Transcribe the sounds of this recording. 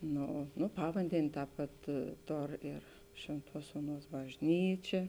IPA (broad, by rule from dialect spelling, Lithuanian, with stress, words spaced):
ˈnoː ˈnoː ˈpɑːʋɐnʲdʲɛnʲeː ˈtɑːp pɐt ˈtoːr ɪr ˈʃʲʋʲeːnˌtuɔs ˈuɔˌnuɔs bɐʒʲˈnʲiːt͡ʃʲɛ